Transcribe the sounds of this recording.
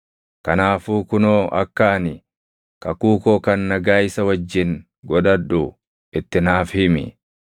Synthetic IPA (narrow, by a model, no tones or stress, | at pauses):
kɐnaːfuːkʊnoːʔɐ̰kːaːnɪ | kɐkuːkoːkɐnːɐɡaːɪsɐwɐd͡ʒːɪŋ | ɡɔᶑɐᶑu | ɪt̪ːɪnaːfhɪmɪ̰